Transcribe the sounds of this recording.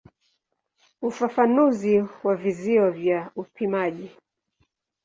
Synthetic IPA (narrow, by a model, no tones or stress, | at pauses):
ufafanuziwaviziɔvjaupʰimaʄi